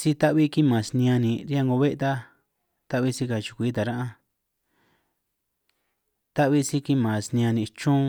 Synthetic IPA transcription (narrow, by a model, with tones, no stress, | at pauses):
si˦t̪a˦ʔβi˦ki˦mã˨snĩ˧ã˧nĩ˨ɾi˦a˦˧ŋɡo˧βe˦ʔt̪a˦ | t̪a˦βi˦si˧ka˧˨t͡ʃi̥˨˧kʷiː˨˦t̪̬a˨ɾã˦ʔã˧ | t̪a˦ʔβi˦si˦ki˦mã˨snĩ˧ã˧nĩ˧˨˧t͡ʃũ˦